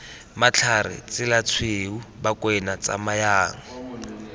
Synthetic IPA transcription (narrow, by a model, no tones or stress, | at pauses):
mat͡ɬʰarɪ̰t͡sɪlat͡sʰweubakʼwɛnat͡sʼa̰majaːŋ̩